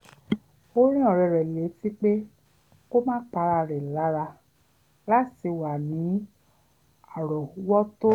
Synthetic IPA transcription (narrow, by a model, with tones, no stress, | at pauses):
o˦ɾ̃ĩ˦ɔ˦˨ɾɛ˨ɾɛ˨le˨˦ti˦k͡pe˦ | ko˦mãː˦k͡pa˧ɾa˧ɾɛ˨la˨˦ɾa˧ | la˦ti˧wa˨nĩ˨˦ | a˨ɾɔ˨u˦wɔ˦to˦